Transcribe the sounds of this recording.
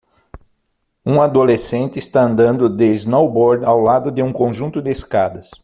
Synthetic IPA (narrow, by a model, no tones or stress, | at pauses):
ũad̪olesẽnt̪ɪːst̪aɐ̃nd̪ɐ̃nd̪ʊd̪eznowbɔɾd̪awlad̪ʊd̪ɪũkõʒũnt̪ʊd̪ɪeskad̪ɐs